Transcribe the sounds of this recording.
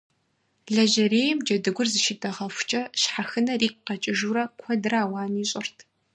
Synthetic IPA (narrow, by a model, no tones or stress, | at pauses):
ɮɐʒɐreːjɛmd͡ʒɐdɨɡʷʊrzɨʃɪtʼɐʁɐfʷʊt͡ʃʼɐʃħaxɨnɐriːk̚ʷʼqɐt͡ʃʼɪʒuːɾɐkʷʰɔdɨraːwaːniːɕʼɪrtʰ